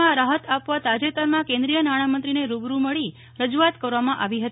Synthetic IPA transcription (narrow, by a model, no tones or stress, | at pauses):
ãɾaɦət̪ʰapʋat̪ad͡ʒet̪əɾmãkẽnd̪ɾijənaɽ̃amənt̪ɾineɾubɾuməɭi | ɾəd͡ʒuat̪kəɾʋamãʔaʋiɦət̪i